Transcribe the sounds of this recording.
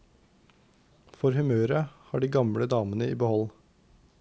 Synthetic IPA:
fɔɾhʉmøːɾəhɑːɖiːɡɑmɽəd̪ɑːmənəiːbəhɔl

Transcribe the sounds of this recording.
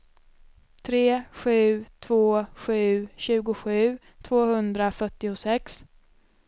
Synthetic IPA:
t̪ʰɾeːɧʉ̟ːt̪ʰv̥oːɧʉ̟ːɕʉ̟ːɡʊɧʉ̟ː | t̪ʰvoːhɵnd̪ɾafœʈːɪʊsɛks

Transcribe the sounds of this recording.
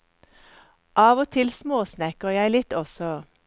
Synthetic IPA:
ʔɑːʋɔt̪ʰɪlsmoːsnɛkəjæɪlɪt̪ɔsɔ

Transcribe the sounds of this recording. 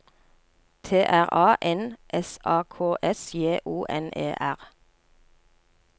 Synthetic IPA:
t̪ʰeːʔæʁɑːʔɛnʔɛsɑːkʰoːʔɛsjeːʔuːʔɛ̰nʔḛːʔæʁ

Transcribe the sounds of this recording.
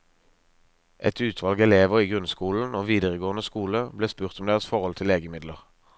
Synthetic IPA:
ʔɛt̪ʉːt̪ʰʋɑlɡɛleːʋəʁiːɡʁʉnskuːln̩oːʋiːd̪əʁəɡoːənəskuːləbleːspʉːʁt̪ɔmd̪eːʁəsfɔʁhɔlt̪ʰɪleːɡəmɪd̪ləʁ

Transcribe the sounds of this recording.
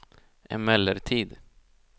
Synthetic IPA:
ʔɛ̰nmɛlːəɾt̪ʰiːd̪

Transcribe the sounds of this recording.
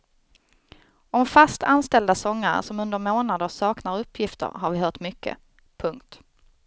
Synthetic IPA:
ɔmfast̪ʰanst̪ɛld̪asɔŋːa̰ɾsɔmɵnd̪əɾmoːnad̪əsɑːknaɾɵpʰːjɪft̪ʰə̰ɾɦaɾvɪɦœːʈmʏkːə̰ | pʰɵŋkt̪

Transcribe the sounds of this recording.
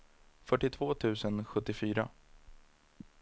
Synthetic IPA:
fœʈːɪt̪ʰvoːt̪ʰʉ̟ːsənɧɵt̪ːɪfyːɾa

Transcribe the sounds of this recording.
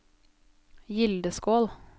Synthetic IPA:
jɪld̪əskoːl

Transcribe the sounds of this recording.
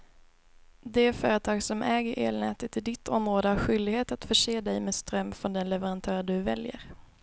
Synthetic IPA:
d̪ɛæfœːɾət̪ʰɑːɡsɔmʔɛːɡəɾʔeːlnɛ̰ːt̪ət̪ːɪd̪ɪt̪ʰːɔmɾoːd̪əhaɾɧʏld̪ɪɡheːt̪at̪fœʂeːd̪ɛjmeːst̪ɾœmːfɾɔnd̪ɛnlɛvəɾant̪ʰœːɾɖ̪ɵvɛljə̰ɾ

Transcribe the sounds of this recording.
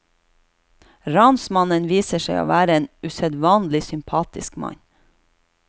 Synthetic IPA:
ɾɑnsmɑnənʋiːsəʃeɪo̰ːʋæːɾəeːnʉsɛd̪ʋɑːnlɪsʏmpʰɑːt̪ɪskmɑ̰ɲ

